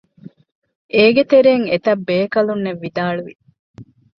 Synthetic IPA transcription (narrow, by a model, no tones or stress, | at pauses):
ʔeːɡet̪eɾeːŋet̪ɐbːeːkɐlunːeʋːid̪aːɭuʋḭ